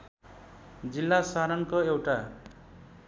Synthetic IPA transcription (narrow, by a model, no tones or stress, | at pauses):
d͡zilːasaɾʌnkoewʈa